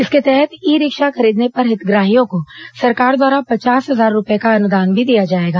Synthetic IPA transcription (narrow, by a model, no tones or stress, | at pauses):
ɪsket̪ɛɦɛt̪iːɾɪkʃaxʰɐɾiːd̪nepɐɾɦɪt̪ɡɾaːɦijõkosɐɾkaːɾd̪waːɾapɐt͡ʃaːsɦɐzaːɾːʊpekaɐnʊd̪aːnbʱid̪ijad͡ʒaːeːɡaː